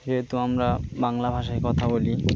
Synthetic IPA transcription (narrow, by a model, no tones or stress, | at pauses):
d͡ʒeɦet̪uamɾabaŋlabʱaʃaekɔt̪ʰaboli